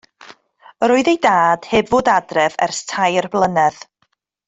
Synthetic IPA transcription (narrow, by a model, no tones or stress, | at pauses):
ɾoːɨðejdaːd̥hɪbvoːdadrɛvɛ̰rstʰajrblˠənɛð